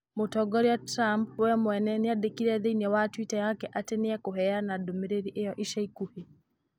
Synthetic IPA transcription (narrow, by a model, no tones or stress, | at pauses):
motɔɡɔɾiatɾampwɛmwɛnɛneadekiɾɛðeinɛwatwitajakɛʔatɛneakoɦɛanadomeɾeɾiʔejɔʔiʃaikuhe